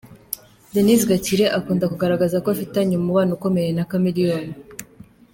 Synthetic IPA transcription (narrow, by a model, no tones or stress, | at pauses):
denizɡaciɾeʔakuːndakuɡaɾaɡazakoafitaɲumuβaːnuko̞me̞je̞nakamiɾijoːni